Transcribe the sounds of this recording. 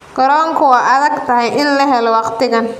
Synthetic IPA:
ɡ̥ɐɾɔːŋkʰʊwɑːɐðɐɡt̪ʰɐɦɛjɪnlɐɦɛlɔwɑqt̪ʰɪɣɐn

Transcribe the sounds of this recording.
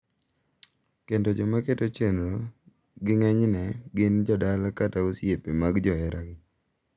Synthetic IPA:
kendod͡ʒɔmaketot͡ʃenɾo | ɡɪŋɛɲnɛɡɪnd͡ʒɔdalakataosjepemaɡd͡ʒɔɛɾaɡɪ

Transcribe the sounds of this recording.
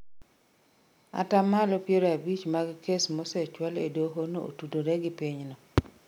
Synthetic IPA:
a̰tamalɔpjeɾoabit͡ʃmaɡkesmosɛt͡ʃwaledoɦonoo̰tudoɾeɡɪpiɲnɔ

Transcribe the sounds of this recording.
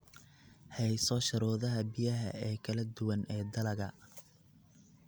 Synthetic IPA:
hɛjsɔːʃɐɾɔːðɐɦɐbijɐɦɐ̰ɛːkʰɐlɐd̪ʊwɐnɛːd̪ɐlɐɣɐ

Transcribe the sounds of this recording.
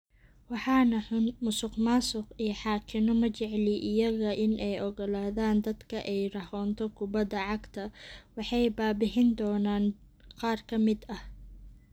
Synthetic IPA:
wɑħɑːnɐħmʊsʊqmaːsʊqijħɑːkʰɪnɔmɐt͡ʃɛʕlɪʔɪjɐɣɐʔɪnʔɛjʔɔɣɔlaːðaːnd̪ɐd̪kʰɐʔɛjrɐhɔːnt̪ʰɔkʰʊbɐd̪ːɐʕɑɡt̪ʰɐwɑħɑjbaːbɪɦɪnd̪ɔːnaːn | qɑːrkʰɐmɪd̪ɐh

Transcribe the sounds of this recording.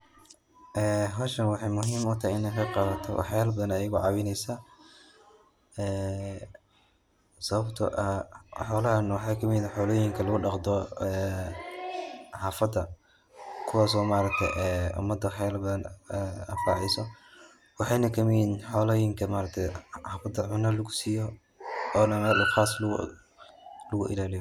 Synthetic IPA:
ʔɛːɦɔːʃɐnwɑħɑjmʊɦiːmʊt̪ʰahjɪnɛkɐqɑβɐt̪ʰɔ̰w̰ħjɛlbɐðɐnɐjɐɣʊʕɑwɪnɛjsa | ɛː | sɐβɐbt̪ʰɐ̰ʔɐħɔːlɐɦɐnwɑħɑːkʰɐmɪnħɔːlɔːjɪŋkʰɐlɐɣʊɖɑqd̪ɔɛ | ħaːfɐd̪ɐ | kʰʊwɑːsɔːmaːɾɐk̚t̪ʰɛ̰jʔɛːʊ̰mːɐd̪ːɐħɛːlbɐnɛɐ̰fa̰ːʕɛjsɔ | wɑħɑjnɐkʰɐmɪjinħɔːlɛːjɪŋkʰɐmaːɾɐk̚t̪ʰɛjħaːfɐd̪ɐʕʊnɐlɐɡʊsiːjɔ | ɔːnɐmɛːlχaːsl̰ | lɐɣʊʔɪ̰laːlɪjɔ

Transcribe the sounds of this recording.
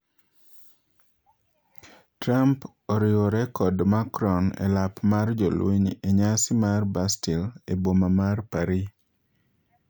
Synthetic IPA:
tɾamp | oɾɪwɔɾɛkɔdmakɾɔnɛ̰lapmard͡ʒolwḛɲeɲasɪmarbastilebomamarpaɾi

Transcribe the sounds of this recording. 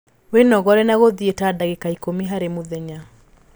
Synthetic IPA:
wenɔɣɔɾɛnaɣoðietadaɣekaikomiɦaɾemoðɛɲa

